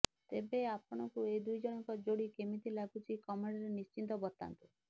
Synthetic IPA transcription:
t̪ebeapɔɽ̃ɔkued̪ujd͡ʒɔɽ̃ɔŋkɔd͡ʒoɽikemit̪ilaɡut͡ʃʰikɔmeɽɔɾenist͡ʃint̪̬ɔbɔt̪ːa̰nt̪u

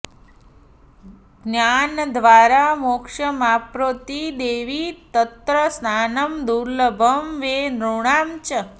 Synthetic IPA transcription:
ɡnjand̪ʱʋaːɾamokʂəmapɾoːt̪id̪eːʋit̪ət̪ɾəsnaːnəmd̪uɾləbʱəmʋenɾuɳ̃amt͡ʃə

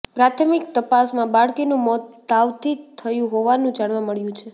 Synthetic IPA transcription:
pɾat̪ʰəmikt̪əpasmãbaɭkinũmɔt̪ːaʋt̪ʰit̪ʰəjũɦoʋanũd͡ʒaɳ̃ʋaməɭjũt͡ʃʰe

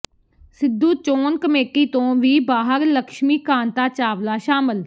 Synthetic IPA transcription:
sɪd̪ːuːt͡ʃoːnkəmeːkːiːt̪õːʋiːbaːɦəɾləkʃmiːkãːnt̪aːt͡ʃaːʋlaːʃaːmɪl

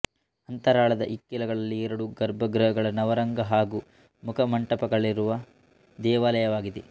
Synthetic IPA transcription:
ɐnt̪ɐɾaːɭɐd̪ɐʔikːilɐɡɐɭɐlːiɛɾɐɽuɡɐɾbʱɐɡɾɐɦɐɡɐɭɐnɐʋɐɾɐŋɡɐɦaːɡuː | mukʰɐmɐɳʈɐpɐɡɐɭiɾuʋɐ | d̪ɛːʋaːlɐjɐʋaːɡid̪e

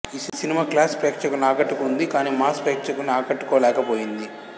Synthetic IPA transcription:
issinimaːklaːspɾeːkʃɐkulnaːkɐʈːukund̪ikaːniːmaːspɾeːkʂɐkulniaːkɐʈːu̥kɔːlɛːkɐpoːjind̪i

